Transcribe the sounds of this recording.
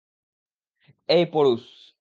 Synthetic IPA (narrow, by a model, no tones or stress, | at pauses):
ejpoɾus